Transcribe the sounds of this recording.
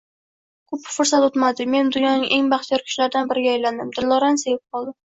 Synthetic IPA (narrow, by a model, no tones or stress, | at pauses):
kʰɵpfʊɾsat̪ot̪mad̪ɪme̞nd̪ʊnjɒnɪʔe̞ŋbɑχt̪ʰijɒɾkʲʰʊ̥ʃlaɾd̪anbɪɾɪɡʲaːjland̪ɪmd̪ɪlːɒɾanse̞vɪp̚qʰɒlˠd̪ɪ